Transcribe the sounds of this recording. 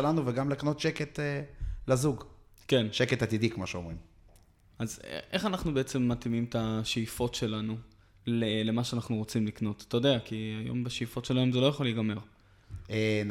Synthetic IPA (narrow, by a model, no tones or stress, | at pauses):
elanuveɡamlekano̞t̪ʃeket̪elazuɡ | kenʃeketat̪id̪ikmaʃeomʁim | azḛʔeχanaχnubeet͡se̞mːatimimtaʃeifo̞tʃe̞lanu | lele̞maʃeanaχnuʁo̞t͡simlikno̞t̪atajod̪eakiajo̞̰mbeʃejifo̞tʃe̞lae̞mzelojaχoliɡame̞ʁ | e